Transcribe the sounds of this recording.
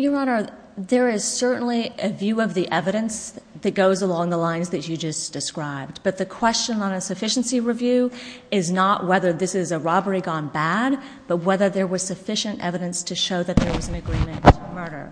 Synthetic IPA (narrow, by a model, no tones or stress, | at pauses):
jəɹɑnə˞ | ðə˞ɪz̥sɜ˞ʔn̩liʔɨvjʉʌvðiʔɛvɨɾɨ̃nsðɨt̚ɡ̥oʊzəlɔ̃ŋðəlãɪ̃nzðɨt͡ʃɨd͡ʒʌsd̥ɨskɹaɪb̚b̥ʌt̪̚ðɨkʰw̥ɛst͡ʃɨ̃nə̃nɨsɨfɪʃn̩siɹivjʉɪznəʔwɛðə˞ðɪsɪzɨɹɑbə˞iɡɑ̃nbæd̚ | b̥ʌt̚wɛðə˞ðə˞wʌz̥sɨfɪʃɨ̃ntɛ̰vɨɾɨ̃nstʰɨʃoʊðɨt̪̚ðə˞wʌz̃n̩ɨɡɹĩmɨ̃ntʰəmɜ˞ɾə̰˞